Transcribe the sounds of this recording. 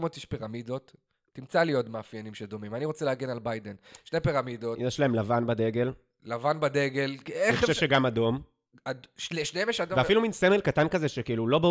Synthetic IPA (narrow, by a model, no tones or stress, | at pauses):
mot̪iʃpiʁamido̞tː | imt͡salijo̞tmeafjanimʃedo̞mimaniʁo̞t͡seleaɡenalbajdenʃne̞piʁamidoinaʃlaemlavanbad̪e̞ɡe̞l | lavanbad̪eɡelkenixoʃeʃeɡamado̞m | aʃneʃneemjeʃadoveafiluminsemelkatankazeʃekiilulo̞ba